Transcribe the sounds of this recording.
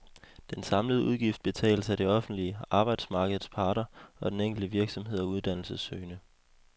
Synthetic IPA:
d̥ensɑ̈mləð̞̩ˠuðˠɡ̥ifd̥̚b̥e̝t͡sʰɛ̰ːləsæd̥e̝ɒ̽fn̩d̥liəɑ̈ːb̥ɑ̈ɪd̥smɑ̈ːɡ̥əð̞̩ˠspʰɑ̈ːd̥ɐɒ̽d̥eneŋ̰ɡ̥l̩d̥əʋiɐɡ̥sɒ̽mɦe̝ð̰ˠɒuð̞ˠd̥æn̰l̩səsøːnə

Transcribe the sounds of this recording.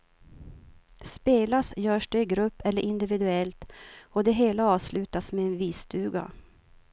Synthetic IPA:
speːlasjœːʂd̪ɛɪɡɾɵpːɛlːəɾʔɪnd̪ɪvɪd̪ɵɛlt̪ɔd̪ɛɦeːlaɑːvslʉ̟ːt̪asmɛːnviːst̪ʰʉ̟ːɡa̰

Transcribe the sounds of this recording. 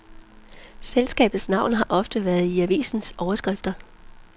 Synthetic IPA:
selsɡ̥ɛ̰ːb̥ð̩ˠsnɑ̈ʊ̰nɦɑ̈ʔɒ̽fd̥əʋæɐð̩ˠiæʋḭːsn̩sɒʊɐsɡ̥ʁafd̥ɐ

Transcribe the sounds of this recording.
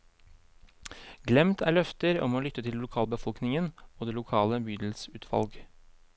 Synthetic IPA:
ɡlɛmt̪ʰæːɭœft̪əɾɔ̰moːlʏt̪ːət̪ʰɪllʊkʰɑːlbəfɔlknɪŋənoːd̪eːlʊkʰɑːləbyːd̪l̩sʉːt̪ʰʋɑ̰lɡ

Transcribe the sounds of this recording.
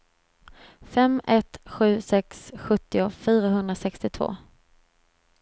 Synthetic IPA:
fɛmɛt̪ɧʉ̟ːsɛksɧɵt̪ːɪʊfyːɾaɦɵnd̪ɾasɛkst̪ɪt̪ʰv̥o̰ː

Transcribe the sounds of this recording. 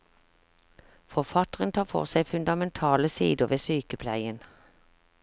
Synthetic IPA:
fɔʁfɑt̪əʁənt̪ʰɑːfɔ̰ʁsæɪfʉnd̪ɑmɛnt̪ʰɑːləsḭːd̪ʊʁʋeːsyːkəpʰlæɪən

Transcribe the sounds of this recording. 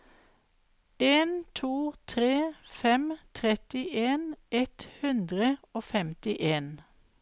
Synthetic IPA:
eːnt̪ʰuːt̪ʰʁeːfɛmt̪ʰʁɛt̪ɪʔeːnʔɛt̪hʉnd̪ʁəoːfɛmt̪ɪʔeːn

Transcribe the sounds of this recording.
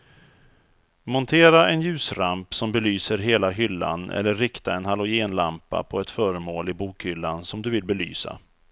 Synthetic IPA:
mɔnt̪ʰeːɾaʔɛnjʉ̟ːsɾampsɔmbɛlyːsəɾɦeːlaɦʏlːa̰nʔɛ̰lːəːɪkt̪aɛnɦalʊjeːnlampːa̰pʰɔɛt̪fœːɾəmoːlɪbuːkhʏlːansɔmd̪ɵvɪlbɛly̰ːsa̰

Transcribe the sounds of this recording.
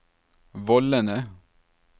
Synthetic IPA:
ʋɔlənə

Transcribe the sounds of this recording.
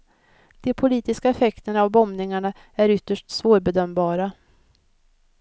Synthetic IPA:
d̪̥ɛpʰʊliːt̪ɪskaɛfɛkt̪ənavbɔmnɪŋaɳa | æɾʏt̪ːəʂʈsvoːɾbɛd̪œmbɑːɾa

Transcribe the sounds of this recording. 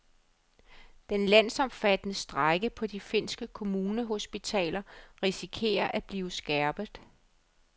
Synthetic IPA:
d̥enlæn̰sɒ̽mfæd̥ənəsd̥ʁɑɪɡ̥əpʰɒ̽d̥ife̝n̰sɡ̥əkʰo̝muːnəɦo̝sb̥it͡sʰɛ̰ːlɐʁisikʰe̝̰ːɐʔæb̥liːʊsɡ̥æɐb̥ð̩ˠ

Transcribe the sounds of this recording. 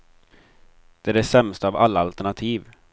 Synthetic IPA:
d̪̥ɛæɖɛsɛmst̪əːvalːaalt̪æɳat̪ʰiːv

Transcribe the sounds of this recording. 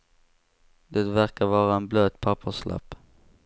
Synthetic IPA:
d̪ɛt̪væɾkaɾvɑːɾaɛnbløːt̪pʰapʰːəʂlʔa̰pː

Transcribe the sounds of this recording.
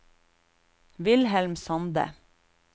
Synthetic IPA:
ʋɪlhɛlmsɑnd̪ə̰

